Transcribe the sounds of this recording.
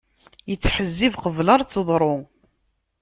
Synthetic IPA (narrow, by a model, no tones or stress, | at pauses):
jət͡sːħəzːivqəvləɾˤt͡sːəðˤɾˤʊ